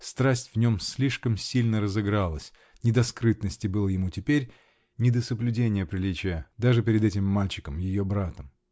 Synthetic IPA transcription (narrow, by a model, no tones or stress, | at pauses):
st̪ɾasʲtʲv̥nʲo̞msʲlʲiʂkəmsʲilʲnəɾəzɨɡɾalˠəsʲ | nʲɪd̪ɐskɾɨt̪nəsʲtʲɪbɨlˠəjɪmutʲɪpʲeɾʲ | nʲɪd̪əsəblʲʉdʲenʲɪjəpɾʲɪlʲit͡ɕɪjəd̪aʐɨpʲɪɾʲɪd̪ɛtʲɪmːalʲt͡ɕɪ̥kəmjɪjo̞bɾat̪əm